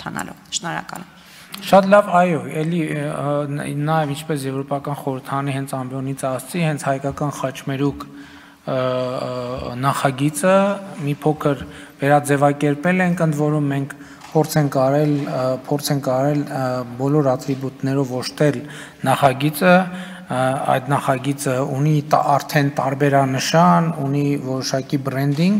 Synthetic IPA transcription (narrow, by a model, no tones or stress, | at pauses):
t̪ʰɑ̰nɑ̰lɔ̰vʃnɔɾɑ̰kɑ̰l | ʃɑt̪lɑvɑjɔɛli | nɑjɛvint͡ʃʰpɛsjɛvɾɔpɑkɑnχɔɾəɾt̪ʰɑɾɑnihɛnt͡sʰɑmbjɔnit͡sʰɑst͡sihɛnt͡sʰhɑjkɑkɑnχɑt͡ʃmɛɾuk | nɑχɑɡit͡səmipʰɔkʰəɾ | vɛɾɑd͡zɛvɑkɛɾpɛlɛŋkʰənd̪vɔɾumːɛŋkʰ | pʰɔɾt͡sʰɛŋkɑɾɛlpʰɔɾt͡sʰɛŋkɑɾɛlbɔlɔɾɑt̪ɾibut̪nɛɾɔvɔʃt̪ɛl | nɑχɑɡit͡sə | ɑ̰jd̪nɑχɑɡit͡səuniɑɾt̪ʰɛnt̪ɑɾbɛɾɑnəʃɑnunivɔɾɔʃɑkibɾɛnd̪iŋɡ